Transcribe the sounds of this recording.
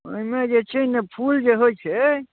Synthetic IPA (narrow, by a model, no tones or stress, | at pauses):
oimed͡ʒet͡ʃʰɛnepʰuld͡ʒeɦojt͡ʃʰɛ